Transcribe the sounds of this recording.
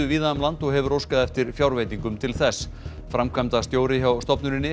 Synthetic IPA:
ʏviːðamlant̪ɔɣɦɛvʏrowskaðɛft̪ɪɾfjawɾvejt̪iŋkʏmt̪ʰɪlθɛsː | fɾamkʰvamt̪ast̪joːwɾɪçawst̪ɔpnʏɾɪnːɪ

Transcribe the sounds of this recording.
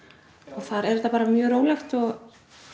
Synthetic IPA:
ɔɣθaɾɛɾɛt̪ːapaːɾamjœːɾoːwlajxt̪ɔɣ

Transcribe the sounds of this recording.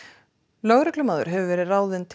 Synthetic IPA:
lœːɣɾɛklʏmaːðʏ̰ɾ̥ɦɛvʏvɛːɾɪrawðɪnt̪ʰ

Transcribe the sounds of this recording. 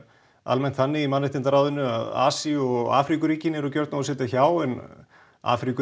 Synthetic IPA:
a̰lmɛn̥t̪θanːɪimanːɪht̪ɪnt̪aɾaːwðʏnːʏa̰ða̰ːsiɔɣɣa̰ːfɾikʏɾiːcɪnɛɾɔcœɾt̪naɔsɛːt̪açaːwʏn | a̰ːfɾikʏ

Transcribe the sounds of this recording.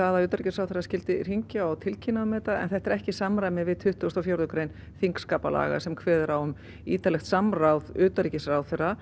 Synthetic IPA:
aðaʏːt̪aɾicɪsrawθɛɾrːascɪlt̪ɪr̥iɲcɪawt̪ʰɪlcʰinaðmɛːt̪aɛ̰nθɛht̪ɛɾɛhcɪsamɾajmɪvɪðt̪ʰʏht̪uast̪ɔwfjawɾðʏkɾejn | θiŋkskaːpala̰ːɣa̰sɛmkʰvɛːðɛɾawʏm | iːt̪alɛxt̪samrawðʏːt̪aɾicɪsrawθɛra

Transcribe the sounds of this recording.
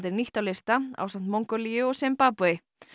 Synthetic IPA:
t̪ɪɾniht̪awlɪst̪aa̰wsan̥t̪moŋkœɾlijʏɔɣsɛmpaːpuɪ

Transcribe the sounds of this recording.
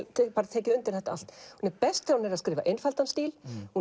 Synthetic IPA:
t̪ʰɛpaɾat̪ʰɛːcɪʏnt̪ɪɾ̥θɛht̪aal̥t̪hunɛɾpɛst̪awnɛɾaðskɾɪːvaʔenfalt̪anst̪iːlhu

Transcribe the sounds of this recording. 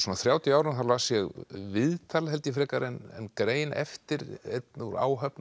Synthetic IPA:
sɔːnaθɾjaːwt̪jʏaːwɾɪnθaɾlasjɛɣvɪðt̪ʰalaɦɛlt̪jɪfɾɛːkaɾɛnɛ̰nkɾeːjnɛ̰ft̪ɪɾḛt̪nɪɾa̰ːwɦœpn

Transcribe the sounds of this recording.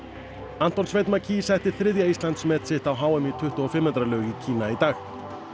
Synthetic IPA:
an̥t̪ɔnsvejt̪macʰisɛjht̪ɪ̥θɾɪðjaist̪lant̪smɛt̪sɪht̪awɦaːwɛmit̪ʰʏht̪uɔfɪmːhant̪ɾalœːɥɣicʰiːnait̪aːx

